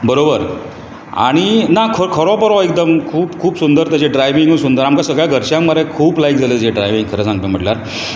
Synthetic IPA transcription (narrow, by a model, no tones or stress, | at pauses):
bəɾobəɾ | a̰ɽ̃inakʰəkʰəɾɔpəɾɔek̚d̪əmkʰuːpkʰuːpsund̪əɾt̪jat͡ɕeɖɾajʋiŋɡunsund̪əɾamkasəɡɭjaɡʱəɾɕjãŋmaɾekʰuːplajk̚d͡zʱaləd͡ʑeɖɾajʋiŋɡkʰəɾəːsãŋɡ̚t̪əm̤əʈljaɾ